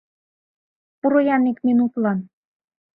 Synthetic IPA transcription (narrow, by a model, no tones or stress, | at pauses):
puɾojɑnikminut̪lɑn